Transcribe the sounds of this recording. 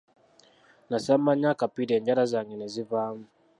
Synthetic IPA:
nasɛmaɲakapidɛɲd͡ʒaɾazaŋɡɛnɛzivamu

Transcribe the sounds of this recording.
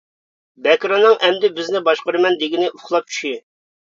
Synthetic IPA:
bɛkʲɾɑnːɨŋʔɛmd̪ɪbɪznɪbɑʃqəɾɨmɛnd̪ɪɡʲinɪʔuχlˠɑp̚t͡ʃʰy̥ʃi

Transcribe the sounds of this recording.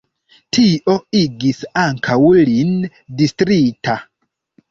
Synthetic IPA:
tʰiʔo̞iɡisaŋkʰawlin | distɾita

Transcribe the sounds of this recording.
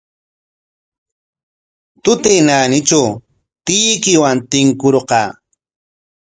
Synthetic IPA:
t̪ʊt̪ejnanɪt͡ʃaw | t̪ɪjkɪwant̪ɪŋkʊɾqɑː

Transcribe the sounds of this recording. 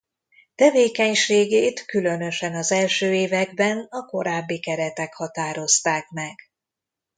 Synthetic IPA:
t̪ɛveːkɛɲʃeːɡeːt̪kylø̞nø̞ʃɛnɒzɛlʃøːeːvɛɡbɛnɒko̞ɾaːbːikɛɾɛt̪ɛkhɒt̪aːɾo̞st̪aːkmɛɡ̥

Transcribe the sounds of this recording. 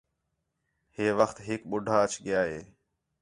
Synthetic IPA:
ɦeːʋəxt̪ɦɪk̚ɓʊɖʱaːət͡ʃɠɪjaːɦeː

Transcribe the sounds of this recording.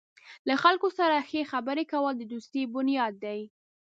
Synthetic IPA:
laxalkosaɾaxexabəɾekawəld̪əd̪ust̪ebʊnijɑd̪ːaj

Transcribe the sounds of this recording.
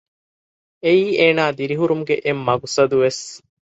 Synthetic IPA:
eiːʔeːnaːd̪iɾiɦuɾumuɡeʔemːɐɡusɐd̪uʋes

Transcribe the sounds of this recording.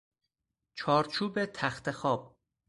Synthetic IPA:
t͡ʃʰɒːɾt͡ʃʰuːbe̞t̪ʰæxt̪ʰexɒːb̥̚

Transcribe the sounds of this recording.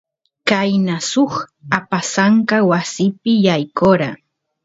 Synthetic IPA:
kajnasoχapasaŋkawasɪpɪjajkoɾa

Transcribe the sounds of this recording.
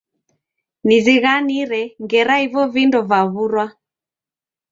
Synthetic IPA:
niziɣaniɾɛŋɡɛɾaivɔvindɔvaβuɾwa

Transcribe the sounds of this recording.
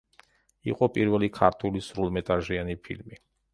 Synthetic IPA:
ḭqʼɔpʼiɾvɛlikʰaɾt̪ʰulisɾulˠmɛt̪ʼaʒianipʰḭlmi

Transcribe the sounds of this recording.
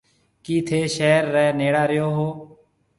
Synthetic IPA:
kiːt̪ʰeːʃɛːɾːɛːneːɽaːɾɪjoːɦoː

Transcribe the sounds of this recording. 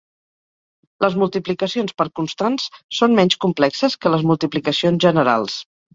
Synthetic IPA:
ləzmulˠt̪iplikəsionspəɾkunst̪ansːonmɛɲʲskumplɛksəskələzmulˠt̪iplikəsionzʒənəɾa̰lˠs

